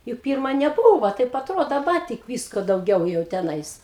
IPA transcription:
jʊk ˈpʲiːrmɐ nʲɛˈbuːʋɐ ˈtɐɪp ɐtˈroːdoː dɐˈbɐ tʲɪk ˈʋʲiːskoː dɐʊˈɡʲɛʊ jɛʊ tʲɛˈnɐɪs

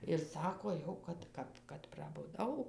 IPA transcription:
ɪr ˈsɑːkoː ˈjɛʊ kɐt ˈkɐp kɐt prɐbʊˈdɐʊ

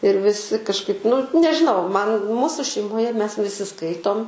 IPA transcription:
ɪr ʋʲɪˈsʲɪ kɐʃˈkɐɪp nʊ nʲɛʒʲɪˈnɐʊ ˈmɐn ˈmuːsʊ ʃʲɛɪmoːˈjɛ ˈmʲɛs ʋʲɪˈsʲɪ ˈskɐɪtoːm

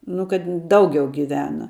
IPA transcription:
nʊ kɐt ˈdɐʊɡʲɛʊ ɡʲɪˈʋʲæːnɐ

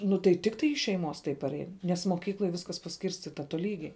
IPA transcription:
nʊ tɐɪ ˈtʲɪktɐɪ ɪʃ ʃʲɛɪˈmoːs tɐɪ pɐˈrʲɛɪn nʲɛs moːˈkʲiːklˠoːj ˈʋʲɪskɐs pɐˈsʲkʲiːrʲsʲtʲɪtɐ toːˈlʲiːɡʲɛɪ

